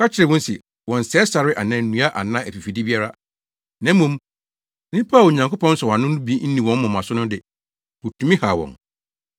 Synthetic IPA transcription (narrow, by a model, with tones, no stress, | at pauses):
kʰa˦t͡ɕʰɪ˨ɾɪ˨wɔ̃˦n˦si˨ | wɔ̃˨n̩˨sɛ˦sa˨ɾɪ˦ʔa˨nã˨n̩˦nũ˨˦a˦ʔa˨nã˦ʔæ˨fi˨fi˨di˦bi˦a˦ɾa˦ | nã˨˦m˦mũ˦m˦ | nĩ˦pʰa˦˨ɲã˨ŋkʊ˦pɔ̃˦n̩˦sɔ˨a˨nʊ̃˦ũ˦bi˦e˦n̩˦nĩ˨wɔ̃˨˦mʊ̃˨mã˨sʊ˦nʊ̃˦dɪ˨ | wo˨tʰũ˨˦mĩ˦ha˨wɔ̰̃˨n